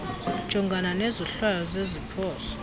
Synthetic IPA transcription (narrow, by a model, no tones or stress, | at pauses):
ʒ̥ʱɔŋɡʱananɛzɔɬwajɔzezipʰɔːsɔ̥